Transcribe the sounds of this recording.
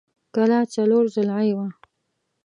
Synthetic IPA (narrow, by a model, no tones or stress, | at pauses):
kalɑt͡saloɾzʊlʕajwa